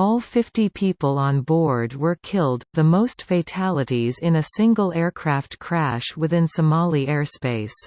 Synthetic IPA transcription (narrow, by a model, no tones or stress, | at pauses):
ɔlˠfɪftipʰipl̩ˠə̃nbɔɹd̚wə˞kʰɪlˠd̪̚ðəmoʊstfeɪtʰælˠəɾizɪ̃nɨsɪ̃ŋɡl̩ˠɛɹkʰɹ̥æftkʰɹ̥æʃwɨθɪ̃nsɨmɑlˠiɛɹspeɪs